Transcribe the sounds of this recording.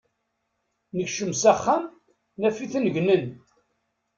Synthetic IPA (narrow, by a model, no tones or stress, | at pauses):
nəçʃəmsæχːam | næfiθnʝnən